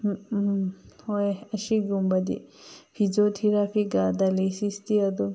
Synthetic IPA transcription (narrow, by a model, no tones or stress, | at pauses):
hoeɐʃiɡumbɐd̪ḭpʰid͡ʒot̪ʰiɾapʰiɡaːd̪alisist̪iɐd̪o